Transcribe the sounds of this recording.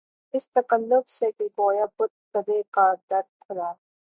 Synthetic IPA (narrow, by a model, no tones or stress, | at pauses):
ɪst̪ɐkəlːʊbsekikoːjabʊt̪̚kɐd̪ekad̪ɐɾ̚kʰʊɾaː